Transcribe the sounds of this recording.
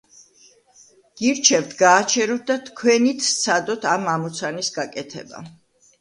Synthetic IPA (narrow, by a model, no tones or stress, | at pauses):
ɡ̥iɾt͡ʃʰɛvt̪ʰɡaːt͡ʃʰɛɾɔt̪̚ʰd̪at̪ʰkʰwɛnit̪ʰst̪sʰad̪ɔt̪ʰamamɔt̪sʰanisɡakʼɛt̪ʰɛ̰ba̰